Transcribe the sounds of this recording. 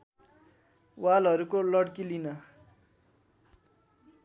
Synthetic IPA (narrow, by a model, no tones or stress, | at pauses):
walɦʌɾukolʌɽkilinʌ